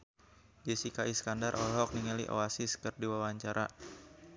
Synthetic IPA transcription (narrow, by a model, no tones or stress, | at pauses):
d͡ʒesikaʔiskandarʔɔlɦɔk̚niŋəlḭʔɔ̰asiskɨrdiwawaɲt͡ʃaɾʔa